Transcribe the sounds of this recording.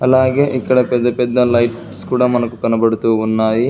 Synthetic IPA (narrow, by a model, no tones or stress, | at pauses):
ɐlːaːɡeʔikːɐɽepɛd̪ːɐpɛd̪ːɐlɐjʈ | skuːɽɐmɐnɐkːukɐnɐbɐɽut̪uʋunːaːji